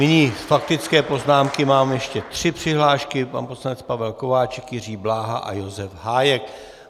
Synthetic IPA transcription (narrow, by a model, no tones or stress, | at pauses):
nɪɲiːfak̚t̪ɪt͡skɛːpo̞znaːmkɪmaːmjɛʃcɛt̪r̝̥ɪpr̝̥ɪɦlaːʃkɪpa̰nposlanɛt͡spavɛlko̞vaːt͡ʃɛkjɪriːblaːɦa̰ʔa̰jo̞zɛfɦaːjɛk